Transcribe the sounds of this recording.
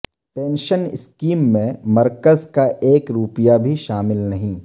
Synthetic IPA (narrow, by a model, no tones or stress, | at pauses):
pẽːnʃənɪ̰skiːmːẽmɐɾkəzkaʔeːkɾuːpijabʱiʃaːmɪlnɐɦĩː